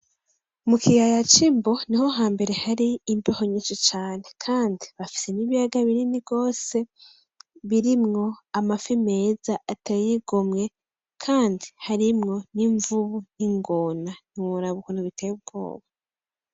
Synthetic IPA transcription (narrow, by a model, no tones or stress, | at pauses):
mukʰijajat͡ʃimbo̞niho̞ɦaːmbe̞ɾe̞haɾiːmbihoɲiːnʃit͡ʃaːnekʰaːndiβafi̥se̞niβijaɡaβiɾiniɡo̞ːse̞ | βiɾimŋo̞amafime̞ːzaʔatajiɡomŋe̞ | kʰaːndihaɾimŋo̞niɱvuβuniŋɡonan̥uuɾaβukonoβitʰejub̚ɡo̞̰ːβa